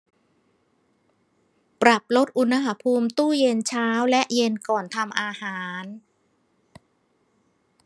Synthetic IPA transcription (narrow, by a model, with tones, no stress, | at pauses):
pɾa˨˩p̚lo˦˥t̪̚ʔu˧na˧˥ɦa˧˥pʰuː˧mt̪uː˥˩je˧nt͡ɕʰaː˦˥wlɛ˦˥ʔje˧nkɔː˨˩nt̪ʰa˧mʔaː˧haː˩˦n